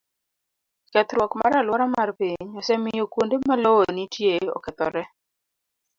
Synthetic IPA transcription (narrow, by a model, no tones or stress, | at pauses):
kɛt̪ɾwɔkma̰ɾalwɔɾamarpiɲɔsɛmɪjokwondemaloonitjeɔ̰kɛt̪ɔɾɛ